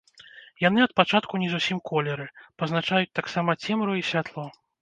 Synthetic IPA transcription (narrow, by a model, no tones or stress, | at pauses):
jan̪ɨɐt̪̚pat͡ʂat̪̚kunʲɛzusʲimkʰɔlʲɛɾɨpɐznat͡ʂajut͡sʲt̪aksamɐt͡sʲɛmɾuisʲvʲat̪lˠɔ